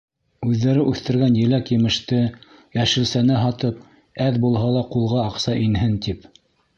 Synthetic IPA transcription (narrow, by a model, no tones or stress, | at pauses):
ʉðːæɾɘʔʉθt̪ɘ̆ɾɡænjɘ̆lækjɘ̆mɘ̆ʃt̪ɘjæʃɘ̆lsænɘɦɑt̪ɤp̚ | æðbulˠɦɑlˠɑqulˠʁɑːqsɑʔinɦɘnt̪ip